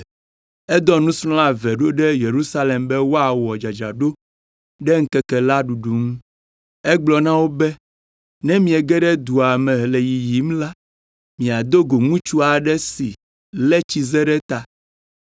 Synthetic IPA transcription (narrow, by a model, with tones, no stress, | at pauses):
ɛ˦d̪ɔ˦nũ˦sɾɔ̃˦la˦vɛ˨ɖo˦ɖɛ˦je˨ɾu˦sa˦le˨mbɛ˦wo˦a˨wɔ˨d͡ʒa˨d͡ʒa̰˨ɖo˦ | ɖɛ˦ŋ̩˦kɛ˦kɛ˨la˦ɖu˨ɖu˨ŋũ˦ | ɛ˦ɡ͡blɔ˨nã˦wo˦bɛ˦ | nɛ̃˦mĩ˨ɛ˨ɡɛ˦ɖɛ˦d̪u˨a˨mɛ̃˨lɛ˨ji˨ji˨˦m˦la˦ | mĩ˨a˨d̪o˦ɡo˨ŋũ˦t͡ʃu˦a˨ɖɛ˦si˨ | lɛ˦t͡ɕi˦ze˦ɖɛ˦t̪a˨